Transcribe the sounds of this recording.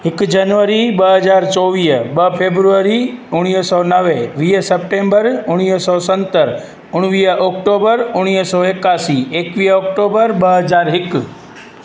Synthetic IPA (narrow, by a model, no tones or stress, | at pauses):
ɦɪkd͡ʒɐnʋəɾiɓɐɦəzaːɾt͡ʃɔʋiːbɐɦpʰebɾuəɾiʊɽ̃isɔnəʋeʋiːsəp̚ʈẽːmbəɾʊɽ̃iːsɔsə̃nt̪əɾ | ʊɽ̃ʋiːəɔkʈobəɾʊɽ̃isɔekaːsieːkʋiəɔkʈobəɾɓɐɦɐzaːɾɦɪk